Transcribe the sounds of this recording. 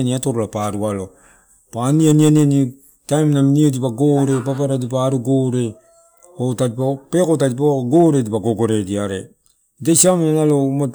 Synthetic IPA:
niatoɾolapaɾualo | panianianiani | tajmnaminiedipaɡoɾe̞papaɾadipaːɾuɡoɾe̞ | otatipapekotatipaɡoɾe̞dipaɡoɡo̞ɾediaɾe | dasamianaloma

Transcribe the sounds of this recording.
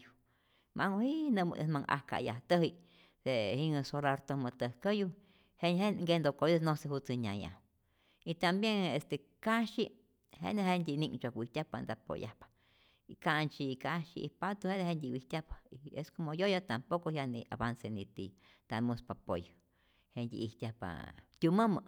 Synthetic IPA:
ju | mʔaŋohiʔnəm̰esmaŋa̰hka̰ja̰ht̪əɦi | d̪̥ehiŋɨsolaɾt̪omət̪əhkəju | henheŋɡend̪okojesnosehut͡seɲaja̰ | it̪ambjeŋest̪ekaʃi | hḛneɦend̪ʲiniŋt͡ʃakwiht̪ʲjahpand̪apo̰ja̰hpḁ | ikant͡ʃikaʃḭipat̪uhed̪ehend̪ʲiwiht̪ʲjahpḁieskomojojat̪ampokohjanḭa̰bansenit̪i | t̪amuspapoj | hend̪ʲḭʔiht̪ʲjahpa̰t̪ʲuməmə

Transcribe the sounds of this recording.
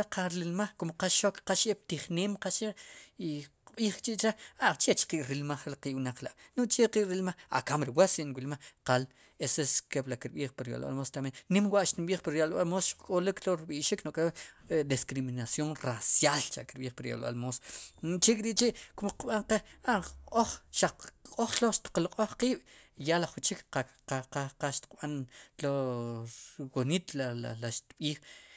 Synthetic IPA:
aqʰaɾlilmaχkomqaʃokqaʃep̚t̪iχneːmqaʃeʔiqɓiːχkt͡ʃiʔt͡ʃeat͡ʃet͡ʃqiʔɾilmaχqiʔwnaq͡χlaʔnoʔt͡ʃeqiʔɾilmaχa̰kamɾiwasinwilmaχqal | eseskeblakiɾɓiːχpiɾja̰lɓa̰lmost̪amennimwaʔʃt̪inɓiːχpiɾjalɓalmosʃkʼolikloɾiɓiʔʃiknokʼed̪iskɾiminasjoŋrasjalt͡ʃakiɾɓiːχpaɾja̰lɓa̰lmoso̥t͡ʃikʼiɾiʔt͡ʃiʔkomqɓaɴqeaoχʃaq͡χʼoχloʃt̪i̥qloqʼoχqiːɓ̥jalaχut͡ʃika | aqaqaʃt̪i̥qɓanlo | wonit̪lala̰laʃt̪ɓiːχ

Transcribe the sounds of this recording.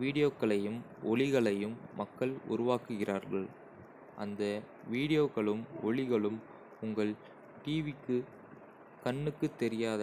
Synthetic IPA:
ʋiːɽɪjoːkːɐɭɐjɯmɔɭɪɣɐɭɐjɯmːɐkːɐɭʊ̰ɾʊʋaːkɯɣɪrʔaːɾɣɐɭ | ʔɐ̰nd̪ɐ | ʋiːɽɪjoːɣɐɭɯmɔɭɪɣɐɭɯm | ʊŋɡɐɭ | ʈiːʋɪkːɯ | kɐɳːɯkːɯt̪ːɛɾɪjaːðɐ

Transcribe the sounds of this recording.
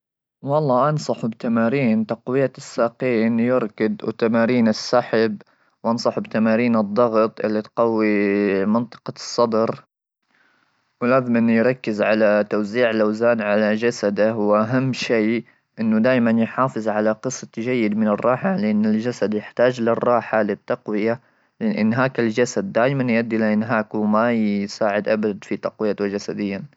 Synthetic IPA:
wɑlˤːɑːʔɑnsˤɑħbt̪amaːɾiːnt̪ɑqwɪjːasːaːqiːnjɪɾkɪd̪wt̪amaːɾiːnɪsːaħɪb | wʔɑnsˤɑħbt̪amaːɾiːnɨd̪ˤːɑɣt̪ˤʔɪ̰lːit̪qɑwːimɪnt̪ˤɨ̥qɑsˤːɑd̪ɾ | wlaːðmanjɾˤɑkːɪzʕalat̪awziːʕɪlʔawzaːnʕalad͡ʒasad̪awʔaɦamːʃeː | ʔɪnːʊd̪aːjmanjħɑːfɨzˤʕalaqɨsɑt̪ʒajːɪd̪mɪnɪrˤːɑːħalɪʔanːɪld͡ʒasad̪jɪħt̪aːd͡ʒlɪrˤːɑːħalɪt̪ːɑqwɪja | lɪʔɪ̰nːɦaːkɪld͡ʒasad̪ːaːjmanjʔad̪ːʔɪlaʔɪnɦaːkwmajsaːʕɪd̪ʔabad̪fit̪ɑqwɪjːat̪wd͡ʒasad̪ɪjːa

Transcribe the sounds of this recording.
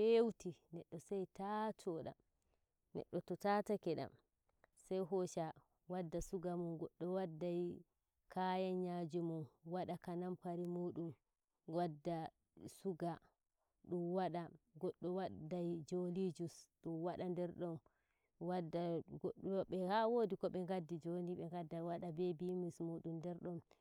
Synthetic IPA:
fewtinɛɗːɔsajtatʰɔɗa̰m | nɛ̰ɗːɔtɔtatakɛɗa̰m | sajɦɔʃa | wadːasuɡamunɡɔɗːɔwadːaj | kʰajaɲad͡ʒumunwaɗakanampaɾimuːɗum | ɡwadːa | suɡa | ɗumwaɗaɡɔɗːɔwadajd͡ʒolid͡ʒusɗumwaɗandɛɾɗɔn | wadɡɓɛhawodikɔɓɛŋɡadːid͡ʒoniɓɛŋɡadːawaɗabɛbimismuɗumdɛɾɗɔm

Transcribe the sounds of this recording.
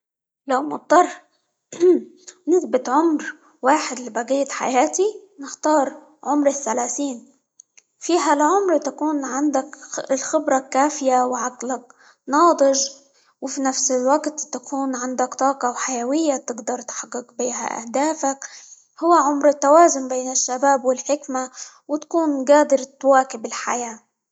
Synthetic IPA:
lawmʊt̪̚ˤːɑrˤː | nɪθbɪt̪ʕʊmɾ | waːħɪd̪libaɣiːt̪ħa̰jaːt̪inɪxt̪ɑːɾˤ | ʕʊmɾɪθːalaːθiːn | fiːɦalʕʊmɾt̪akuːnʕand̪aklxɪbɾˤɑkaːfɪjawʕaɡlak | nɑːd̪ˤɪʒ | wɪfinafsɪlwaɡt̪t̪akuːnʕɪnd̪akt̪ˤɑːqɑwħajawɪjːat̪ɪɡd̪ɑɾˤt̪ħɑqːɪqbiːɦa̰ʔa̰hd̪aːfak | hʊwːaʕʊmɾɪt̪ːawaːzʊmbeːnɪʃːabaːbwɪlħɪkma | wɪt̪ḁkuːnɡaːd̪ɪɾt̪waːkɪbɪlħa̰jaː

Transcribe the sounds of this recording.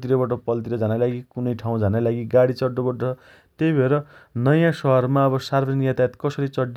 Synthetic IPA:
t̪iɾʌbʌʈ̬ʌpʌlt̪̬iɾʌd͡zʱanajlaɡikunʌjʈʰaw̃d͡zʱanajlaɡiɡaɽit͡sʌɖːobʌʈʌt͡sʰʌ | t̪ebʱeɾʌnʌjãsʌɦʌrmaʌbʌsarbʰʌd͡zʌniɡjat̪aet̪kʌsʌɾit͡sʌɖː

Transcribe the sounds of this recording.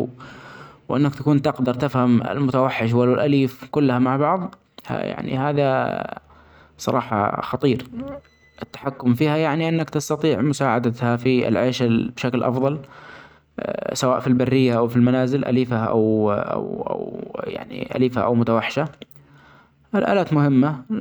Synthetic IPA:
wʔɪ̰nːakt̪akuːnt̪ɪqd̪ɑɾˤt̪ɪfhamɪ̰lmʊt̪awaħːɪʃ̬walːʊlʔaliːfkʊlːahamaʕbɑʕðˤ | a̰ja̰ʕnḭhaːða | sˤɑɾˤɑːħɑ̰xɑt̪ˤiːɾ | ʔɪt̪ːḁħakːʊmfiːhajaʕniʔɪnːakt̪ast̪ɑt̪ˤiːʕmʊsaːʕad̪at̪hafiɪ̰lʕeːʃabʃaklʔɑ̰fðˤɑl | sawaːʔfilbarːɪjːaʔawfilmanaːzɪlʔa̰liːfaʔa̰wʔa̰wa̰wja̰ʕnḭʔa̰liːfa̰ʔa̰wmʊt̪awaħːɪ̥ʃa | ʔɪlʔa̰ːlaːt̪mʊhɪmːa

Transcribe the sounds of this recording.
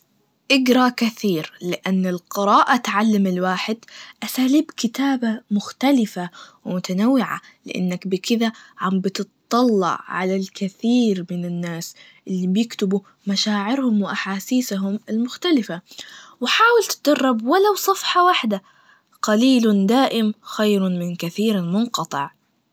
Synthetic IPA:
ʔɪɡɾˤɑkaθiːɾlɪʔanːɪlqɪɾɑːʔat̪ʕalːamɪlwaːħɪd̪ʔasaːliːbkɪt̪aːbamʊxt̪alɪfawmʊt̪anawːɪʕa̰lɪ̰ʔa̰nːakbɪkɪðaʕambt̪ɨt̪t̪ˤːɑlːɑ̰ʕʕa̰lalkɪθiːɾmɪnɪnːaːs | ʔɪlːibjɪkt̪ʊbu | maʃaːʕɪɾhʊmwɪʔaħaːsiːsɦʊmɪlmʊxt̪alɪfawɪħaːwɪlt̪ɪd̪ɑrˤːɑbwalawsˤɑfħɑwaħd̪a | qɑliːld̪aːʔɪmxajɾmɪnkaθiːɾalmʊnqɑt̪ˤɨʕ

